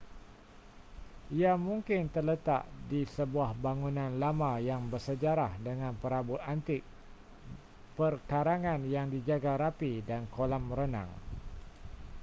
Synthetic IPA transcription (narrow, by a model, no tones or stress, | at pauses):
ʔiamuŋkɪnt̪ərlət̪a̰ʔdisəbuahbaŋunãnlamãjaŋbərsəd͡ʒaɾahdəŋãnpəɾabʊt̪ant̪ɪk̚ | pərkaɾaŋãnjaŋdid͡ʒaɡaɾapidankolamɾənã̰ŋ